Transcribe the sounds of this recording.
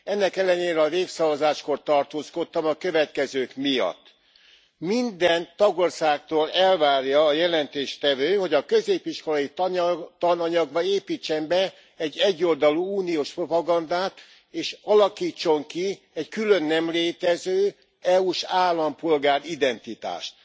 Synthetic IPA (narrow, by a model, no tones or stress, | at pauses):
ɛnːɛkɛlːɛneːɾɛɒveːksɒvɒzaːʃko̞rt̪ɒrt̪oːsko̞t̪ːɒmɒkø̞vɛt̪kɛzøːkmijɒ̰t̪ː | mind̪ɛnt̪ɒɡorsaːkt̪oːlɛlvaːrjɒːjɛlɛnt̪eːʃt̪ɛvøːho̞ɟɒkø̞zeːpiʃko̞lɒjit̪t̪ɒnɒɲɒɡbɒeːpiːt͡ʃːɛmbɛ | ɛɟːɛɟːo̞ld̪ɒluuːnioːʃpro̞pɒɡɒnd̪aːt̪ | eːʃɒlɒkiːt͡ʃːo̞ŋki | ɛckylø̞nːɛmleːt̪ɛzøː | ɛuːʃaːlːɒmpo̞lɡaːɾid̪ɛnt̪it̪a̰ːʃt̪̚